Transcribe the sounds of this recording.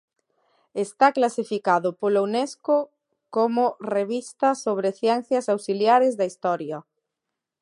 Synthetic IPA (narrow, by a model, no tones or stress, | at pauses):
est̪aklasifikaðʊpolownesko | komʊreβist̪ɐsoβ̞ɾeθjɛnθjɐsawsiljaɾɪzðɐist̪ɔɾjɐ